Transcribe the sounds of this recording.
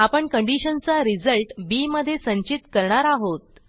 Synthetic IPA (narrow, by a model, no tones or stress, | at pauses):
apəɳkəɳɖiɕənt͡saɾid͡zəlʈbiməd̪ʱːjesə̃ɲt͡ɕit̪kəɾɳaɾaɦot̪̚